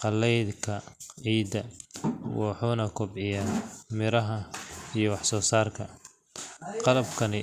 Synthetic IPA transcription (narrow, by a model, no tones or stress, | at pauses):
qɑlːɛjd̪kʰɐʕiːd̪ɐwɑħuːnɐkʰʊbʕɪjamɪɾɐɦɐijɞwɑħsɔːsaːrkʰɐ | qɑlɐbkʰɐnɪ